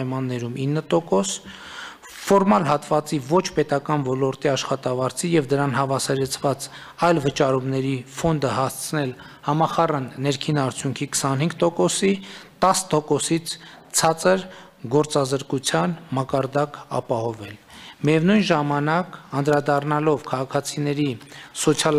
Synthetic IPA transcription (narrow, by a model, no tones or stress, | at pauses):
jmɑnːɛɾuminːət̪ɔkɔs | fɔɾmɑlɦɑt̪vɑt͡sivɔt͡ʃʰpɛt̪ɑkɑnvɔlɔɾt̪iɑʃχɑt̪ɑvɑɾt͡sʰijɛvd̪əɾɑnhɑvɑsɛɾɛt͡sʰvɑt͡s | ɑjlvət͡ʃɑɾumnɛɾifɔnd̪əhɑst͡sʰnɛl | hɑmɑχɑrənːɛɾkʰinɑɾt͡sʰjuŋkʰikʰə̥sɑnɦhiŋɡ̚t̪ɔkɔsit̪ɑst̪ɔkɔsit͡sʰ | t͡sʰɑt͡səɾ | ɡɔɾt͡sɑzəɾkut͡sʰjɑnmɑkɑɾd̪ɑkɑ̰pɑhɔvɛlmijɛvnujnʒɑmɑnɑkɑnd̪ɾɑd̪ɑrnɑlɔvkʰɑʁɑkʰɑt͡sʰinɛɾisɔt͡sʰɑl